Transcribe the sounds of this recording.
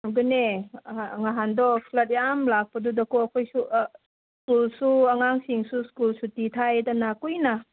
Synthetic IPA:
bɯne | ŋaɦandɔpʰlɐt̚jamlak̚pɐdudɐkɔɐkʰojsu | skulsuɐŋaŋsiŋsuskulsutitʰajdanakujna

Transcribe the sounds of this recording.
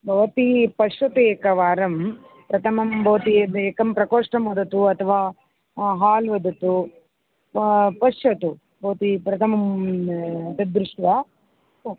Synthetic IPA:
bʱɐʋɐt̪ipɐʃʋɐt̪eːkɐʋaːɾɐm | pɾɐt̪ʰɐmɐmbʱɐʋɐt̪ieːkɐmpɾɐkoːʂʈɐmʋɐd̪ɐt̪uɐt̪ʰɐʋaː | ɦaːlʋɐd̪ɐt̪u | pɐʃɐt̪u | bʱɐʋɐt̪ipɾɐt̪ʰɐmɐm | t̪ɐd̪ɾuʂʈʋɐ

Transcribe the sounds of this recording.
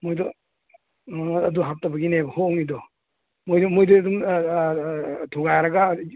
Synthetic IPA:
mojdɔ | ɐduɦap̚tɐbɐɡinebɐhoŋidɔ | mojdɔmojdɔdum | tʰuɡajɾɐɡa

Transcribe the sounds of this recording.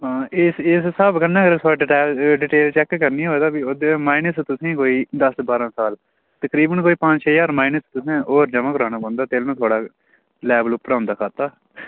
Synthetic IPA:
aɪsɪssəbkənːãːkəɾsʰoːɖɪʈɛːlɖɪʈeːlt͡ʃɛːkːəɾniːɦoːed̪aːbioːd̪emaːɪnəst̪ʊsẽːkoːiːd̪əsbaːɾãːsaːl | t̪əkɾiːbənkoːiːpãt͡ʃt͡ʃʰəjaːɾmaːinəst̪ʊsẽːoːɾd͡ʒəmãːkəɾaːñãːpə̃ːnd̪aːt̪eːlnũːt̪ʰoːɽaː | lɛːbəlʊpːəɾãːʊ̃nd̪aːkʰaːt̪ːaː

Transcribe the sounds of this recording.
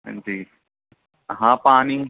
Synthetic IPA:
d͡ʒiː | ɦãːpaːni

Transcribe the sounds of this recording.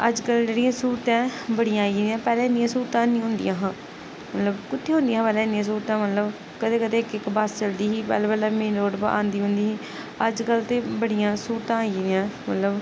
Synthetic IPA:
əd͡ʒkəld͡ʒeːɽijãːsuːɾt̪ãːbəɽɪjãːid̪jãːpɛːlɛ̃ːɪnɪjãːsuːɾt̪ãːnĩːɦʊ̃nd̪ɪ̰jãːɦãː | mət̪ləbkʊt̪ʰːeːɦʊ̃nd̪ijãːãːpɛːlɛ̃ːɪnɪjãːs̬uːɾt̪ãːmət̪ləb | kəd̪eːkəd̪eːkɪkbast͡ʃəld̪iːɦiːpɛ̰ːlːbəlaːmẽːloːɖbʔã̰ːnd̪iːɦʊ̃nd̪iːɦiː | əd͡ʒkəlt̪eːbəɽɪjãːsuːɾt̪ãːid̪ãːmət̪ləb

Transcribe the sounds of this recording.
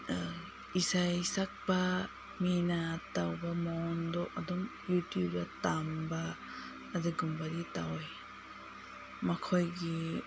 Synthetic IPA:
isajsak̚ba | minatawbamɔndɔʔadɔmjutjubɾatambaː | dɯɡumbaɾitawj | mɐkʰɔjɡi

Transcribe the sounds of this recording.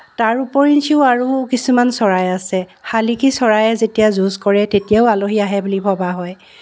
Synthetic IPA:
taɹupɔɹintʰiʊaɹukisumansɔɹajasɛxalikʰisɔɹajɛzetijazuzkɔɹɛtetijaʊaloɦiaɦɛbulipʰɔbaɦɔj

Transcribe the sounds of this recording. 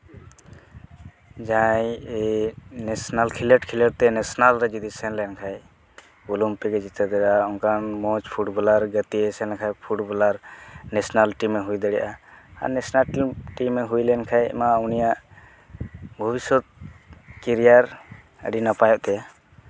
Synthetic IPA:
d͡ʒãj | nɛsnalkʰileʈkʰilɛʈ̚t̪ɛnɛsnalɾɛd͡ʒɔd̪isɛnlɛnkʰaj | bulumpɛɡɛd͡ʒit̪ɛd̪ɛɖaɔnkanmɔt͡ʃpʰuʈbɔlaɾɡət̪iɛsɛnkʰajpʰuʈbɔlaɾnɛsnalʈimːɛɦujd̪ɛɽɛʔaa̰ɾnɛsnalʈimːɛɦujlɛnkʰaj̰maunijaʔ | bʱɔbisɔt̪̚kiɾijaɾ | ə̰ɖinapajɔʔt̪ɛja

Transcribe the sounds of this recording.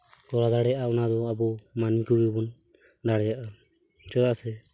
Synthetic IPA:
kɔɾad̪aɽɛjaʔaɔnad̪ɔabɔmanikɔɡibɔn | d̪aɽɛjaʔa | t͡ʃɛd̪aʔsɛ

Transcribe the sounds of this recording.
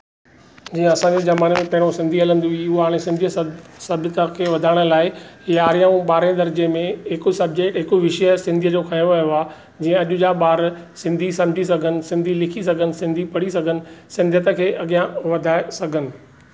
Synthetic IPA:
d͡ʑiːə̃ɐsãɲd͡ʑezɐmaːnemẽpɐ̃ɦɪ̃ɽ̃osɪ̃nd̪ʱiɦɐlə̃nd̪uiʊɦoɦaːɽ̃ẽsɪ̃nd̪ʱijəsɐbɪt̪akʰeːʋɐd̪ʱaːɪɽ̃ə̆laːɪɦiaːɾijaũɓaːɾẽd̪ɐɾd͡ʑemẽɪkʊsɐb̚d͡ʑeːkʈɦɪkoʋɪʃəjəsɪ̃nd̪ʱijəd͡ʑokʰãjoʋɐjoaː | d͡ʑiːə̃ɐʄʊd͡ʑaɓaːɾsɪ̃nd̪ʱisɐ̃md͡ʑʱisɐɡʱənɪ̆sɪ̃nd̪ʱilɪkʰisɐɡʱənɪ̆sɪ̃nd̪ʱipɐɽisɐɡʱənɪ̆sɪ̃nd̪ʱət̪əkʰeːʔɐɠijãʋɐd̪ʱaːɪsɐɡʱənɪ̆

